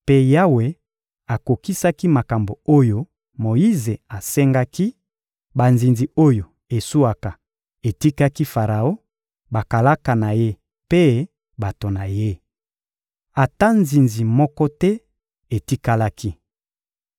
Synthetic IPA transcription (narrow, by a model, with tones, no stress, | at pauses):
pe˦ja˦we˨ | a˨ko˨ki˦sa˦ki˦ma˨ka˨mbo˨o˦jo˦ | mo˨ji˦ze˨a˨sɛ˦ŋɡa˦ki˦ | ba˨nzi˨nzi˨o˦jo˨ | e˨su˦a˨ka˨ | e˨ti˦ka˦ki˦fa˨ʁa˨o˦ | ba˨ka˨la˦ka˨na˨je˦ | pe˦ | ba˨to˨na˨je˦ | a˨ta˦nzi˨nzi˨mɔ˦kɔ˦tɛ˦ | e˨ti˦ka˦la˦ki˦